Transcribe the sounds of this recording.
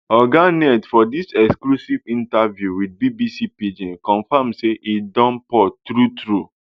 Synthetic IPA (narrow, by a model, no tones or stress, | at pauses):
ɔɡanɛdfɔdisɛksklusivĩntavjuwid̚bibisipid͡ʒĩnkɔ̃nfamseʔidɔ̃npɔtɾutɾu